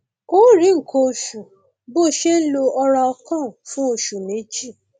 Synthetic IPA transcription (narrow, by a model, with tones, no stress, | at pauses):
o˨˦˨ɾĩ˨˦ŋ̩˨kʰo˧o˧ʃu˨ | bo˦˨ʃe˦lo˧ɔ˧ɾa˧ɔ˧kã˦˨fũ˦o˧ʃu˨nĩ˨˦d͡ʒi˦˨